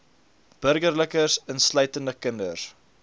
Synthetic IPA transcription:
b̥əɾɡərləkərsənsləjtəndəkəndər

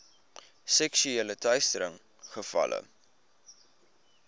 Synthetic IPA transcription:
sɛkʃyeːlətœɥstəɾəŋ | χəfɐ̰lʔə̰

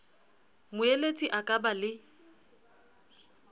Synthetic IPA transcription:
mʊelet͡sʼiʔakʼabalɪ

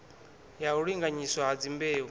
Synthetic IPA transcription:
jauɺiŋɡaɲiswaɦad͡zimbeːɦu

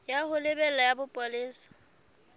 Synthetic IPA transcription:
jahʊlɪbɛlajabʊpʼwalɪːsḁ

